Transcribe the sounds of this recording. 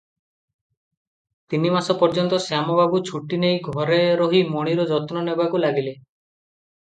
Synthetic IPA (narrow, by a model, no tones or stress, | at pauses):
t̪inimasɔpɔɾd͡ʒɔnt̪ɔsjamɔbabut͡ʃʰuʈinejɡʱɔɾeɾɔɦimɔɽ̃iɾɔd͡ʒɔt̪nɔnebakulaɡile